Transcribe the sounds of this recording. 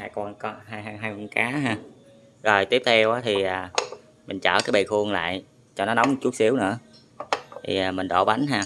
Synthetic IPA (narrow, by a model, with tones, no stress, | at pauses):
haː˧˩jkwaː˧nkɔ˨˦ɦaː˧jɦa˧jɦaː˧jkwa˧nkaː˨˦ɦaː˧˩ | zo˨˩jt̪i˦˥əp̚t̪ʰɛ˧wʔaː˨˦t̪ʰi˨˩ʔaː˨˩ | mï˨˩ŋ̟t͡ɕə̰ː˧˩kaː˨˦jɓḛ˧˨˩xʰu˧əŋla̰ː˧˨j | t͡ɕɔ˧nɔ˨˦nɔ˨˦wŋ͡mm̚˨˩t͡ɕu˦˥t̚si˨˦əwnɨ̰˧˥ə | t̪ʰi˨˩aː˨˩mï˨˩ŋ̟ɗo̰˧˩ɓa˨˦nɦaː˧